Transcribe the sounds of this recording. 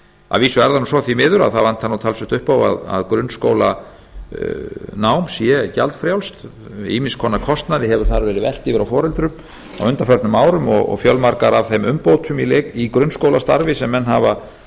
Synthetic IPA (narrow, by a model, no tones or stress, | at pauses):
a̰ðviːsʏɛɾðanusɔθimɪːðʏɾaðθavan̥t̪hanːawt̪ʰalsʏt̪ʏhpawa̰ða̰ðkɾʏnːskoːwla | naːwmsjɛca̰lt̪fɾjawlst̪ḭːmɪnskʰɔːnakʰɔst̪naðɪɦɛvʏɾ̥θaɾvɛːɾɪvɛl̥t̪ɪvɪɾawfɔːɾɛlt̪ɾʏm | a̰wʏnt̪afœɾt̪nʏmaːwɾʏmɔɣɔ̰ɣfjœlmaɾkaɾavθejmʏmpoːwt̪ʰʏmileikɾʏnskoːwlast̪a̰ɾvɪsɛmːɛnːɦava